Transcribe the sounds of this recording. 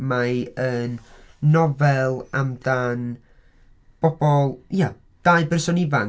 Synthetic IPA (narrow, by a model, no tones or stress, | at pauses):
maənːɔvɛlˠamdan | b̥ɔbɔlˠja | d̥aɨbɛrsɔnɪva